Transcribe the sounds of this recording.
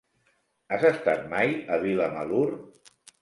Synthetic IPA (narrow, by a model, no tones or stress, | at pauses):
azəst̪at̪̚majəβiləməlur